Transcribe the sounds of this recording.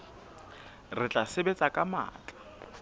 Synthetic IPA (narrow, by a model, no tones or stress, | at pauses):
rɪt͡ɬʼasɪbet͡sʼakʼama̰ːt͡ɬʼḁ